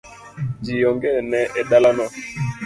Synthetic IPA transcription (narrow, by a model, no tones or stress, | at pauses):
d͡ʒijɔŋɡɛnɛʔeɗalanɔ